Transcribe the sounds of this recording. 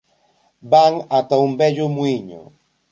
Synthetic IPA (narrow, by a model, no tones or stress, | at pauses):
baŋat̪aumbɛʎʊmuiɲʊ̰